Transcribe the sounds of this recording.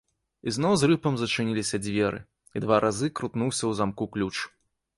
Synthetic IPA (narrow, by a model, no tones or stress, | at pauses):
iznɔwzrɨpɐmzɐt͡ʂɨnʲilʲisʲɐd͡zʲvʲɛɾɨ̰ | id̪vaɾʔazɨkɾut̪nuwsʲɐwzamkuklʲut͡ʂ